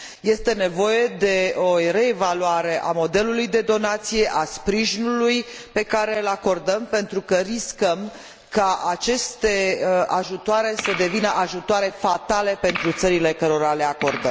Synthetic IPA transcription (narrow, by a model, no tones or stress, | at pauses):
je̞st̪e̞ne̞vo̞je̞d̪e̞o̞re̞ːvaluaɾe̞ʔamo̞d̪e̞lulujd̪e̞d̪o̞nat̪sije̞ʔaspɾiʒinulujpe̞kaɾeɨlako̞rd̪əmpe̞nt̪ɾukəɾiskəm | kaʔat͡ʃe̞st̪e̞əaʒut̪oaɾe̞səd̪e̞vinəʔaʒut̪oaɾe̞fat̪ale̞pe̞nt̪ɾut̪səɾile̞kəɾo̞ɾale̞akord̪əm